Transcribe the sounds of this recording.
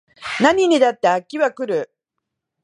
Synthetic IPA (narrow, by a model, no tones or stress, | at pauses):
naɲ̟inʲid̪at̪ːe̞akʲːiβakɯ̟ɾɯ̟